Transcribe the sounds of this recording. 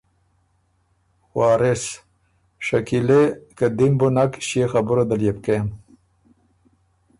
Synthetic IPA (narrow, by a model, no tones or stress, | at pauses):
wɑːɾes | ʂakilekad̪imbunakɕexabuɾad̪aljep̚kem